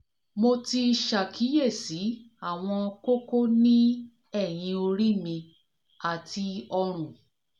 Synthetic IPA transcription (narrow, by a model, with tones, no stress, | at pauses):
mo˧ti˧ʃa˨kʰi˨˦je˦˨si˨˦ | a˦˨w̃ɔ̃˧ko˦ko˦nĩ˦ | ɛ˦˨j̃ĩ˧o˧ɾi˦mĩ˧ | a˨tʰi˧ɔ˧ɾ̃ũ˨